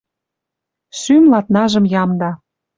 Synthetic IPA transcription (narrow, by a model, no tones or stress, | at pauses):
symlɑt̪̚nɑʒɤ̆mjɑmd̪ɑ